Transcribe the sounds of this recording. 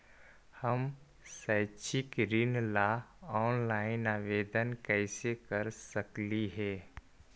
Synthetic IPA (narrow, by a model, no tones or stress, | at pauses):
həm | sɛːt͡ʃʰɪkɾɪnlaɔːnlaːɪnaːʋeːd̪ənkɛːsekəɾsəkliɦɛː